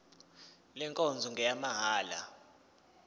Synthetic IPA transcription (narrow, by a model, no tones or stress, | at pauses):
lɛŋkʼɔnd͡zʱɔŋɡʱɛjamaɦaːla̰